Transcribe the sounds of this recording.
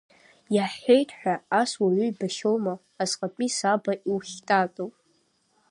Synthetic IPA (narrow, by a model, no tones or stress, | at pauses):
jaħejtʰʼħʷᶣaaswaɥʏibaʃowmaːzqʼapʼisabaʔiwχʲtʼat͡sʼowpʼ